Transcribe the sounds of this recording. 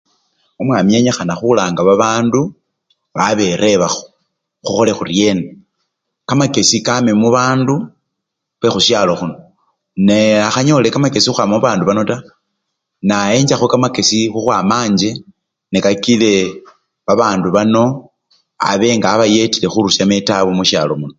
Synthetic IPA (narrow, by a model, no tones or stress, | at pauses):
omwamije̞ɲexanaxulaːŋɡaβaβaːndu | βaβe̞ɾe̞βaxo̥ | xuxo̞le̞xurje̞na | kamake̞sikamemuβaːndu | xwe̞xuʃjalo̞xuno | neaxaɲo̞le̞kamake̞sixuxwamamuβaːnduβano̞ta | nae̞ːɲd͡ʒaxokamake̞sixuxwamaːɲd͡ʒe̞ | nekakile̞ | βaβaːnduβano̞ | a̰βe̞ːŋɡaːβaje̞tile̞xuɾuʃametaβomuʃalo̞muno